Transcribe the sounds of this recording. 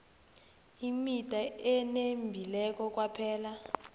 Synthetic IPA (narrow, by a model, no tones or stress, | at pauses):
imitʼaɛnembʱilɛk̬ʼɔk̬ʼwapʰɛːla